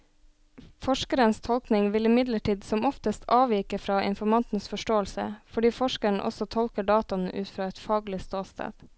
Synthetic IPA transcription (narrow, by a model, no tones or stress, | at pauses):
fɔʂkəɾənst̪ʰɔlknɪŋʋɪlɪmɪd̪ləʈiːd̪sɔmɔft̪əst̪ʰɑːʋiːkəfɾɑːʔɪ̰nfɔmɑnt̪n̩sfɔʂʈoːəlsə̰fɔɖiːfɔʃkəɳʔɔ̰sɔt̪ʰɔlkəɖɑːt̪ʊnʔʉːt̪fɾɑːɛt̪fɑːɡlɪst̪oːst̪ʰæ̰ːd̪̥